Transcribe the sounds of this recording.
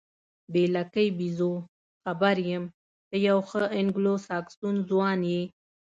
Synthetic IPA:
belakəjbizo | xabaɾjəm | d̪̥əjawxəɪŋɡlosɑksunzwɑnje

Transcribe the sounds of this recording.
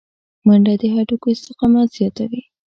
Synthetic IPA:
maɳɖad̪əɦaʈukoɪst̪ɪqɑmaz̥jɑt̪awi

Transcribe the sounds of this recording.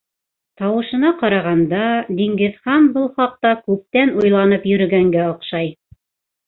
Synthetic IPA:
t̪ɑwɤ̆ʃɤ̆nɑqɑɾɑʁɑnd̪ɑd̪iŋɡɘ̆ðχɑnbɤlˠχɑq̚t̪ɑkʉp̚t̪ænujlˠɑnɤpjɵ̆ɾɵ̆ɡæŋɡæŏqʃɑj

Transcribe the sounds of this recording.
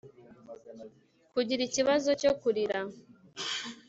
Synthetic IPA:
kuɟiɾiciβazoco̞kuɾiɾa

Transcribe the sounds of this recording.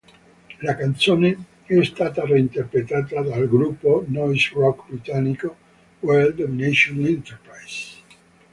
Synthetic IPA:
lakant̪soːne | ɛst̪aːt̪areint̪erpɾet̪aːt̪ad̪alɡɾupːonɔjsrɔkːbɾit̪anːiko | wɛld̪ɔminɛʃonint̪erpɾajs

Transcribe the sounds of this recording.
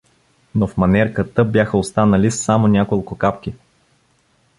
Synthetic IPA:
nofmɐnɛɾkət̪əbʲjaxəost̪anəlisːamonʲakolˠkʊkapk̟ʲi

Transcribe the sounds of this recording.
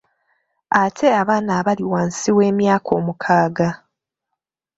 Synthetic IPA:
atʰe̞aβaːnaːβaliwaːnsiwe̞ːmjaːkʰo̞ːmukʰaːɡa

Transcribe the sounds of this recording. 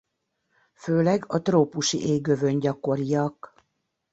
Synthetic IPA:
føːlɛɡɒt̪roːpuʃḭʔeːɡøvø̞ɲɟɒko̞ɾijɒk

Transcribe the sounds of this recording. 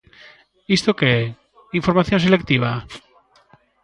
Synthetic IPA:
ist̪oke | iɱfoɾmaθjons̬elekt̪iβ̞a

